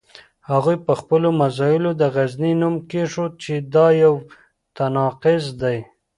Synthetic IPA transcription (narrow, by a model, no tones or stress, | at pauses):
haɣujpəxpəlomazɑjɪlod̪əɣazninumkeʂot͡ʃed̪ɑjaw | t̪anɑqɪzd̪aj